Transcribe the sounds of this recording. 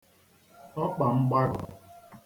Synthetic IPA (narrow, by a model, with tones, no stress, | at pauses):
ɔ˦k͡pa˨ŋ͡m̩˦ɡ͡ba˦ɾʊ̰˨